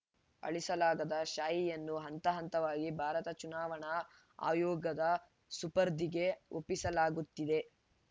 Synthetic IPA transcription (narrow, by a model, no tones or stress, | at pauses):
ɐ̰ɭisɐlaːɡɐd̪ɐʃaːjijɐnːuɦɐnt̪ɐɦɐnt̪ɐʋaːɡibʱaːɾɐt̪ɐt͡ʃunaːʋɐɳɐ | a̰ːjɔːɡɐd̪ɐ | supɐɾd̪ʱiɡe̞opːisɐlaːɡut̪ːid̪e̞